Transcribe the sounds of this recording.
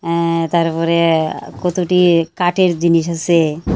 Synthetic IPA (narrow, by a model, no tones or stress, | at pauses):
t̪aɾpɔɾekɔt̪oʈikaʈeɾd͡ʑiniʃasʰe